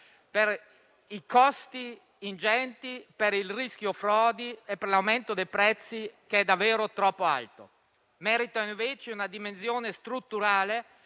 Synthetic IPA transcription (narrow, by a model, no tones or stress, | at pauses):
per | ikɔst̪iː | nd͡ʒɛnt̪ipeɾilrisk̟jofɾɔːd̪iepːerlawment̪od̪ejpɾɛt̪sːikeɛd̪ːavːeːɾot̪ɾɔpːoa̰lt̪o̰ | mɛːɾit̪aiɱveːt͡ʃeunad̪imensjoːnest̪ɾut̪ːuɾaːle